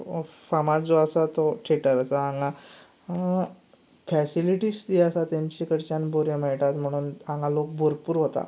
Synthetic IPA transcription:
famad͡zoəsat̪ɔʈʰeʈəɾəsaaŋɡa | fɛsiliʈiːst̪iəsat̪emt͡ɕikəɽt͡ɕanboɾjəməjʈat̪m̤əɽ̃uːnãŋɡalok̚bʱoɾpuːɾɦot̪a̰

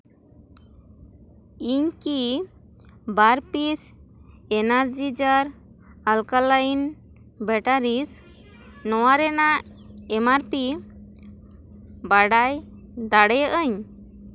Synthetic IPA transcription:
iɲki | baɾpisɛnaɾd͡ʒid͡ʒaɾ | alkalain | bɛʈaɾis | nɔwaɾɛnaʔ | ɛmaɾpi | baɽajd̪aɽɛjəʔəɲ

